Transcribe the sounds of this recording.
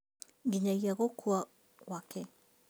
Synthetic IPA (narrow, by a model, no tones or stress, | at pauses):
ɡiɲajaɡokʰua | wake